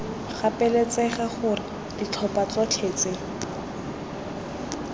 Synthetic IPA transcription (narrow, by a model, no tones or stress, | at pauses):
χapɛlet͡sɛχaχʊrɪ | d̥it͡ɬʰɔpat͡sɔt͡ɬʰeːt͡se